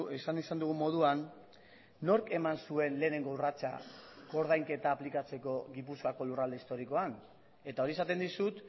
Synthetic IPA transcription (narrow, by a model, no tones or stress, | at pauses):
esanisand̪uɣumo̞ð̞uanː | o̞ɾke̞mansue̞nle̞ːne̞ŋɡourat͡sa̰ko̞ɾð̞ajŋke̞t̪aːplikat͡se̞ko̞ɣipuskako̞lurald̪e̞ist̪o̞ɾiko̞an | e̞t̪ao̞ɾie̞sat̪e̞nd̪isut̪